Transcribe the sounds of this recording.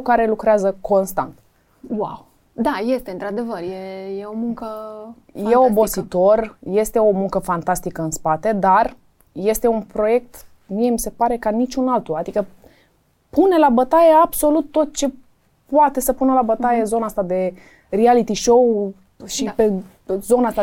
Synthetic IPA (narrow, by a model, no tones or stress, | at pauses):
kaɾe̞lukɾeazəko̞nst̪a̰nt̪ | wa̰w | d̪aje̞st̪eɨnt̪ɾad̪e̞vərjejeomuŋkə | jeobo̞sit̪o̞rje̞st̪e̞o̞muŋkəfant̪ast̪ikəɨnspat̪e̞d̪ar | je̞st̪e̞unpɾo̞je̞k̚t̪ | mie̞mise̞paɾe̞kanit͡ʃunalt̪uad̪ikə | pune̞labət̪ajeabso̞lut̪ːo̞t̪̚t͡ʃe̞ | poat̪e̞səpunəlabət̪ajezo̞naast̪ad̪e̞ | rialit̪iʃow | ʃipe | zo̞nast̪a